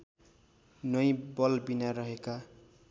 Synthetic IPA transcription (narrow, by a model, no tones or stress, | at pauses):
nʌjbʌlbinaɾʌɦeka